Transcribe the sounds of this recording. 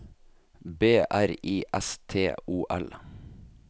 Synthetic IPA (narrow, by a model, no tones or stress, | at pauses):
beːʔæɾiːʔɛst̪ʰeːʔuːʔɛl